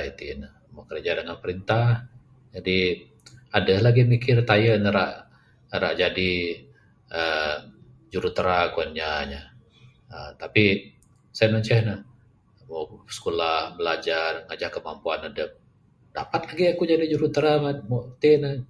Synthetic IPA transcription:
it̪ḭnəhmakəɾd͡ʒadəŋanpəɾint̪ah | d͡ʒadi | adəhlaɡimikɪrt̪ajənəɾaʔ | ɾa̰ʔd͡ʒadi | ə | d͡ʒuɾut̪əɾakuanɲaɲa | ət̪api | sajaməɲt͡ʃɛhnəh | mosə̥kolahməlad͡ʒarŋad͡ʒaʔkːəmampuanadəp̚ | d̥a̰pat̪laɡiakud͡ʒadid͡ʒuɾut̪əɾamamot̪inəh

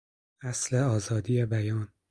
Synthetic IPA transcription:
æsleɒːzɒːd̪iːjebæjɒːn

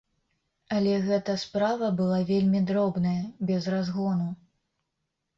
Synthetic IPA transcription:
ɐlʲɛɣɛt̪ɐspɾavɐbɨlˠavʲelʲmʲid̪ɾɔbnɐjɐbʲɛzrazɣɔnu

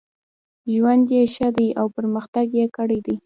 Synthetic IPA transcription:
ʒwand̪jeʃad̪ajawpəɾməxt̪aɡjekəɽajd̪aj

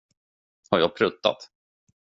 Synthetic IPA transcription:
haɾjaːɡ̚pʰɾɵt̪ːa̰t̪

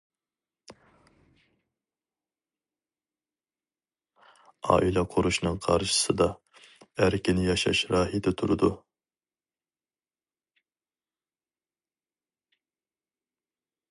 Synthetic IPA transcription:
ɑ̰ːʔilˠɛqʰʊɾuʃnɨŋqʰɑɾʃɨ̥sɨd̪ɑ | æɾkʲʰinɪjɑʃɑ̰ʃɾɑːɦid̪ɛt̪ʰuɾɨd̪u

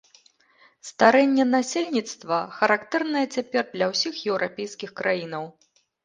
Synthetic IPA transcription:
st̪aɾɛnʲːɛnasʲelʲnʲit̪st̪vɐxɐɾakt̪ɛrnɐjɐt͡sʲapʲɛrd̪lʲɐwsʲixjɛwɾʔapʲejskʲixkɾʔajinɐw

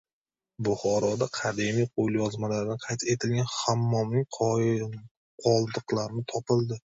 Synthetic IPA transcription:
bʊχɒɾɒd̪aqʰad̪emijqʰolˠjɒzmalaɾd̪anqʰɑjt̪ʰet̪ʰɪlɡʲanhamːɒmnɪŋqʰ | qʰɒlˠd̪ɨqlˠaɾɪnɪt̪ʰɒpɪlˠd̪ɪ

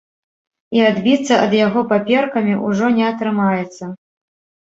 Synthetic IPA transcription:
iad̪bʲit̪sːɐʔɐd̪jaɣɔpapʲɛrkɐmʲiʔuʐɔnʲɛɐt̪ɾɨmajɛt̪sːɐ

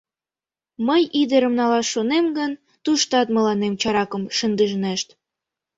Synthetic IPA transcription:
məjʔid̪əɾə̆mnɑlɑʃːonemɡən | t̪uʃt̪ɑt̪mə̆lɑnemt͡ɕɑɾɑkəmʃənd̪əʒneʃt̪

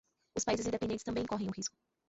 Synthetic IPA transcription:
ʊspaizɪzĩd̪epẽd̪ẽt̪ɪ̥st̪ɐ̃mbẽj̃kɔɦẽj̃ʊhiskʊ̥

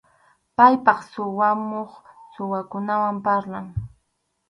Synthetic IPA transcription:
pajpɑχsʊwamoχsʊwakʊnawampaɾlaŋ

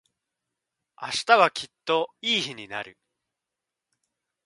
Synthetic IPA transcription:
a̰ɕi̥t̪aβakʲit̪ːo̞iːçiɲ̟inaɾɯ̟

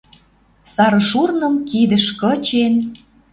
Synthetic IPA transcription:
sɑɾɤ̆ʃurnɤ̆mkid̪ə̆ʃkɤ̆t͡ɕen

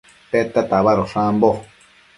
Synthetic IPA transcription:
pet̪at̪aβaɾoʂãmbo

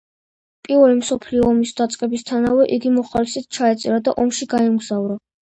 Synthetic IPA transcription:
pʼiɾvɛlimsɔpʰliɔːmisd̪at̪sʼqʼɛbist̪ʰanavɛʔiɡimɔχalisɛt̪̚t͡ʃʰaɛt̪sʼɛɾad̪aʔɔmʃiɡaɛmɡz̥avɾa

